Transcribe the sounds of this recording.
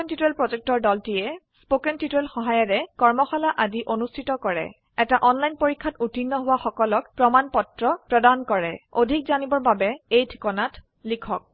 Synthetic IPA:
ɛntitɛlpɹɔzɛk̚tɔɹdɔltijɛspokɛntitɛlxɔɦajɔɹɛkɔɹmɔxɔlaʔadiʔonustʰitɔkɔɹɛ̰ | ɛtaʔɔnlajnpoɹikʰːatutinːɔɦʊwaxɔkɔlɔkpɹɔmanpɔtɹɔpɹɔdankɔɹɛodʱik̚zanibɔɹbabɛejtʰi̥kɔnat | likʰɔk̚

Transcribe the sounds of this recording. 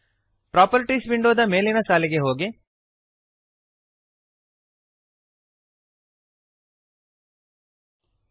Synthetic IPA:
pɾaːpɐɾʈiːsbiɳɖoːd̪ɐmeːlinɐsaːliɡeɦoːɡi

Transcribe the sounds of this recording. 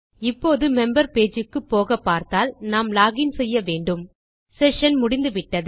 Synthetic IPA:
ɪpːoːðɯmɛmbɐɾpeːd͡ʒɯkːɯpːoːɣɐpːaːɾt̪aːlnaːmlaːɣɪnsɛjːɐʋeːɳɖɯm | sɛʂɐnmʊɽɪnd̪ɯʋɪʈːɐðɯ

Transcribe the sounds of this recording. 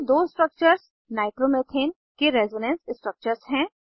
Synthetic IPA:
d̪oːɪsʈɾək̚t͡ʃəɾs | naːɪʈɾomet̪ʰeːn | keɾɛːzɪnẽnssʈɾək̚t͡ʃəɾzɦɛ̃ː

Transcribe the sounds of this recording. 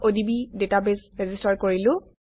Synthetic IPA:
ʔodibidetabezɹɛzistaɹkoɹilʊ̃

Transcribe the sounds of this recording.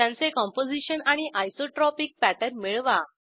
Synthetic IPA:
t̪jãnt͡sekɔ̃mpod͡ziɕənaɽ̃iʔajsoʈɾɔpik̚pæʈəɾmiɭʋa

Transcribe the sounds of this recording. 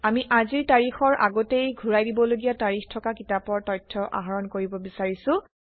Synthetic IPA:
amiʔaziɹtaɹixɔɹʔa̰ɡɔtejɡʱuɹajdibɔloɡijataɹixtʰɔkakitapɔɹtɔjtʰːɔʔa̰ɦaɹɔnkoɹibɔbisaɹisʊ̃

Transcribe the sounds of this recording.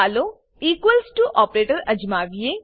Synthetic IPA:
aːlo | iːkwəlsʈuʔɔːpɾeːʈəɾɐd͡ʒmaːʋie

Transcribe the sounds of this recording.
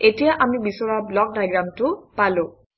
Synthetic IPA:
etijaʔamibisɔɹablɔk̚dajɡɹamtʊpalʊ̃

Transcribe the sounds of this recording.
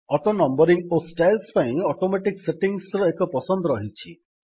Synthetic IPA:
ɔʈonɔmbɔɾiŋosʈajlspaĩɔʈomeʈikseʈiŋsɾɔekɔpɔsɔnd̪ɔɾɔɦit͡ʃʰi

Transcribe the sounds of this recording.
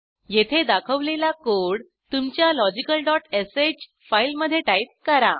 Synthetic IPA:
jet̪ʰed̪akʰəʋlelakoɽ | t̪umt͡ɕjalɔd͡ʑikəlɖɔʈesed͡ʑ | failməd̪ʱːjeʈait̪̚kəɾa̰

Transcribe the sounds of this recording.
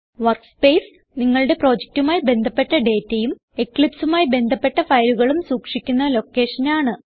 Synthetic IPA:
ʋɐrkspe̞ːs | niŋːɐɭɽe̞pro̞ːd͡ʑek̚tumaːjibe̞nd̪ʱɐpːe̞ʈːɐɖe̞ːtːejum | ekːɭipsumaːjibe̞nd̪ʱɐpːe̞ʈːɐfɐjluɣɐɭumsuːkʂikʲːunːɐlo̞kːe̞ːʂɐnaːɳɨ

